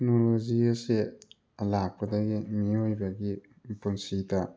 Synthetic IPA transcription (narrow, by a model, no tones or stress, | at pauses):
knoloziase | lak̚padaɡimiojbaɡi | punsita